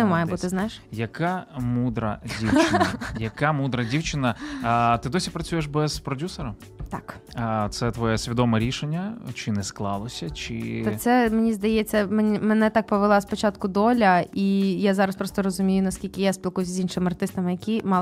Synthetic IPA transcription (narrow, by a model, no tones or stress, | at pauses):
ɛmɑjɛbut̪ɪznajɪʃjɐkamud̪ɾɐ̰dʲiwt͡ʃɪnɐjɐkamud̪ɾɐdʲiwt͡ʃɪnɐt̪ɪd̪ɔsʲipɾɐt͡sʲujeʃbɛz̥pɾɔdʲusɔɾɐ | t̪ɑkːt̪sɛt̪ʋɔjɛsʲʋʲid̪ɔmɛɾʲiʃenʲːɐt͡ʃɪnɛsklˠɑlˠɔsʲɐt͡ʃɪ̰ɔsɛmenʲizd̪ɐjɛt͡sʲːɐmenʲimɛnɛt̪ak̚pɔʋelˠaspɔt͡ʃat̪kʊd̪ɔlʲɐijazɑɾɐspɾɔst̪ɔɾɔzʊmʲijʊnɐsʲkʲilʲkɪjaspʲilˠkujs̬ʲzʲinʃɪmɐrt̪ɪst̪ɐmɪjɐkʲimɑ